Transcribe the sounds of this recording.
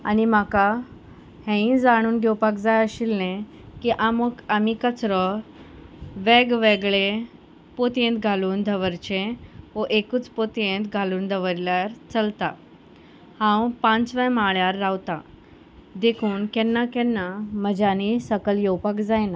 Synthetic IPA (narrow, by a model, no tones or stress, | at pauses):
a̰nimaka | hɛ̃ĩd͡zaɽ̃uːnɡʱɛwpakd͡zajəɕilnẽ | kiʔaməkamikət͡sɾə | ʋɛɡʋeɡɭe | pot̪ẽnt̪ɡʱaluːnd̪ʱəʋəɾt͡ɕẽʋəʔekuːt͡spot̪ẽnt̪ɡʱaluːnd̪ʱəʋəɾljaɾt͡səlt̪a | hãwpãnt͡sʋajmaɭjaɾːawt̪a | d̪ekʰuːnkɛnːakɛ̃nːaməd͡ʑanisəkəlɡewpakd͡zajna